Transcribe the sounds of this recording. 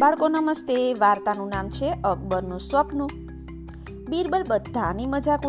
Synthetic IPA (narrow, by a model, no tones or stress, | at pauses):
baɭkonəməst̪eʋaɾt̪anũnamt͡ʃʰeʔək̚bəɾnũsʋəpnũ | biɾbəlbəd̪ʱːaniməd͡ʒaku